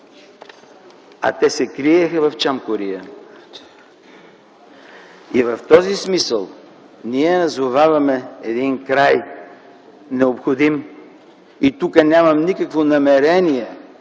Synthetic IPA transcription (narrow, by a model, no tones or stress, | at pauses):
ɐ̰t̪ɛsɛkɾiɛxəvɐft͡ʃamkoɾijə | ivɐft̪ɔzismisəlˠ | niɛnɐzovavɐmɛɛd̪inkɾaj | nɛopxod̪im | it̪ukənʲamɐmnikəkvonɐmɛɾɛniɛ